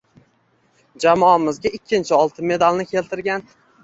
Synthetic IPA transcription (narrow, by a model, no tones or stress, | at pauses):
d͡ʒamɒamɪzɡʲaɪkʲʰːɪnt͡ʃʰɪɒlˠt̪ʰɪnme̞d̪alnɪkʲʰe̞lt̪ʰɪɾɡʲan